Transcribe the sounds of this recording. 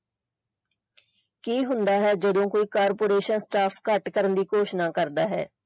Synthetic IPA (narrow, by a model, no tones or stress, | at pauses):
kiːɦʊ̃nd̪aːɦɛːd͡ʒəd̪õːkoːiːkaːɾpoːɾeːʃənsʈaːpʰkəʈkəɾənd̪iːkoːʃnãːkəɾd̪aːɦɛ̰ː